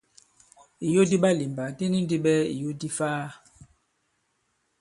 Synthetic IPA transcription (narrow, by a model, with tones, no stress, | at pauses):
i˨jo˦di˦ɓa˦li˨mba˨di˦ni˦n˦di˦ɓɛ˦ḭ˨jo˦di˦faː˦